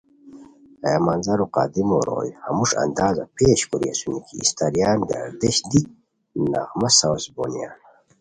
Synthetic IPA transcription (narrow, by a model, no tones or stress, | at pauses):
ajamanzɐɾuqa̰d̪imoɾo̰ːjhamuʂa̰nd̪aːzapʰeːɕkuɾiesunikʰiːst̪aɾjaːnɡa̰ɾd̪eɕd̪ik̚ | na̰ʁmɐsawsbo̰nijaːn